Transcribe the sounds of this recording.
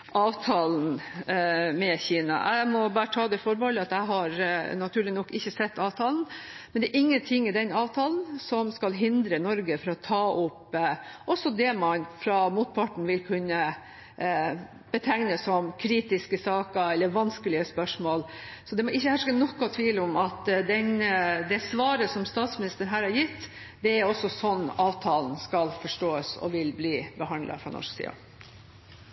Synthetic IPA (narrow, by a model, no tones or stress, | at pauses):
ʔɑːʋt̪ʰɑːln̩ | mɛçiːnɑ̰ʔæ̰ɪmɔbɑːɾət̪ʰɑːd̪ɛfɔɾbɔlɪɑt̪æɪɦɑɾnɑt̪ʰʉːɭɪnɔkːɪçːəsɛt̪ːɑːʋt̪ʰɑːln̩ | mmɛnd̪ɛæːɾʔɪŋːənt̪ʰɪŋːɪd̪ɛnɑːʋt̪ʰɑːln̩sɔmskɑlɦɪnd̪ɾənɔɾɡəfɔɾɔt̪ʰɑːʔʊpːʔɔsːɔd̪ɛmɑnfɾɑmuːt̪̚pʰɑʈɳ̩ʋɪlkʰʉnːə | b̥ət̪ʰæŋnəsɔmkʰɾiːt̪ɪskəsɑːkəɛlːəɾʋɑnskəlɪəspœʂmoːlsɔd̪ɛmɔɪçːəhæʂkənɔkːɔt̪ʰʋiːləʊmɑt̪d̪ɛnd̪ɛsʋɑːɾəsɔmst̪ɑːt̪smɪnɪst̪əɳɦæːɾhɑɾjɪt̪ː | d̪ɛæɾɔsːɔsɔnːɑːʋt̪ʰɑːlnskɑlfɔʂʈoːəsɔ̰ʋɪlbliːbəɦɑnd̪lɑ̰fɾɑ̰nɔ̰ʂksḭːɑ̰